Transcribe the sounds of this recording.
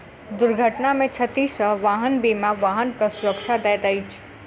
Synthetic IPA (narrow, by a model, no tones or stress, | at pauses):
d̪uɾɡʱəʈnamẽt͡ʃʰət̪isə̃ʋaɦənbimaʋaɦənkəsuɾəkt͡ʃʰad̪ɛd̪əjt͡ʃʰ